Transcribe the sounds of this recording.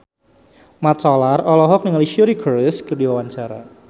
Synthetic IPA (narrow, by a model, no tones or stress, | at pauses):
mat̪sɔlarɔlɔɦɔk̚nɪŋaliʃioɾikɔrəskərdiwawaɲt͡ʃaɾa̰